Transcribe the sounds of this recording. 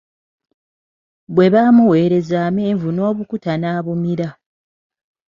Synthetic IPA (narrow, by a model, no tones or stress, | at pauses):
βwe̞βaːmuwe̞ːɾe̞zaːme̞ːɱvuno̞ːβukutanaːβumiɾa